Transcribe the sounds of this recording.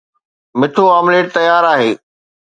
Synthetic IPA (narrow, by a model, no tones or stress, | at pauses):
mɪt̪ʰoaːmleːʈ̚t̪ɐjaːɾaːɦeː